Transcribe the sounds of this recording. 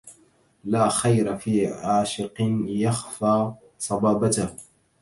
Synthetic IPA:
laːxajɾafiːʕaːʃɪqnjaxfaː | sˤɑbɑːbat̪ah

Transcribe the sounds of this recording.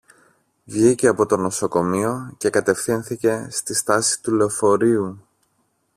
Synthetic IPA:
vʝice̞ɐpo̞t̪o̞no̞so̞ko̞mio̞ce̞kɐt̪e̞fθinθice̞st̪ist̪ɐsi̥t̪ule̞ofo̞ɾiu

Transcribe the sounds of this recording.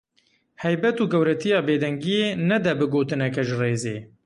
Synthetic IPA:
hɛjbɛt̪uːɡɛwɾɛt̪ʰijɑːbeːd̪ɛŋɡijeːnɛd̪ɛbɨɡoːt̪ɨnɛkɛʒɨreːzḛː

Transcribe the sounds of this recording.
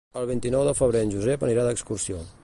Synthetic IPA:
əlˠβ̞int̪inɔwðəfəβ̞ɾeənʲʒuzɛpəniɾaðəkskursio

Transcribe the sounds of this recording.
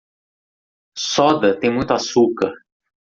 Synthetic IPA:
sɔd̪ɐt̪ẽj̃mũj̃t̪ʊasukɐɾ

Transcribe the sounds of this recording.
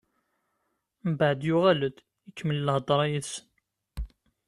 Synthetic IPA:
mbəʕd̪jʊʁæləd̪ | əkːməlːəhd̪ˤɾˤɑjiðsən

